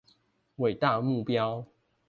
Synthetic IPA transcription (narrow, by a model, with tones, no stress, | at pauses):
we˨˩ɪt̪a˥˨mu˥˨pjɑ˦ʊ